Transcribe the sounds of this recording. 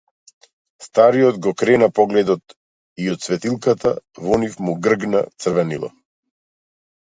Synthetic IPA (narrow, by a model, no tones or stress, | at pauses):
st̪aɾijɔd̪ɡɔkɾɛnapɔɡlɛd̪ɔt̪ | iɔt̪svɛt̪ilˠkat̪a̰vɔnifmuɡr̩ɡna̰t̪sr̩vɛnḭlˠa̰